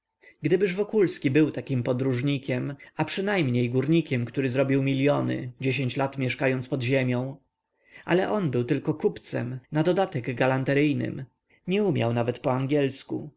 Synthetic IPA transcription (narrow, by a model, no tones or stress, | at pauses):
ɡd̪ɘbɘʐvɔkulskʲibɘwt̪akʲimpɔd̪ɾuʐɲikʲɛmapʂɘnajmɲejɡuɾɲikʲɛmkt̪uɾɘzɾɔbʲiwmʲilʲjɔnɘ̰d͡ʑeɕ̬eɲt͡ɕlat̪mʲjɛʂkajɔnt̪spɔd̪ʑemʲjɔ̃w̃ | ʔa̰lɛʔɔnbɘwt̪ɘlkɔkupt̪sɛ̰mnad̪ɔd̪at̪ɛɡɡalant̪ɛɾɘjnɘ̰m | ɲɛumʲja̰wnavɛt̪pɔaŋɡʲɛlskṵ